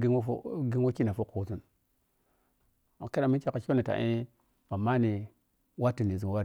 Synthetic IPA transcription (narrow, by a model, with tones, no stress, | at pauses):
ɡḭ˦ɡi˦ŋwo˦ki˦na˨fo˦ko˨zu˦n | a˨ke˦a˨mi˦nt͡ʃe˦ka˨t͡ʃo˦ni˨ta̰˨ʔi˦ | ba˨ma˦ni˨ | wa˦ti˨ni˨zu˨wa˦ɾi˨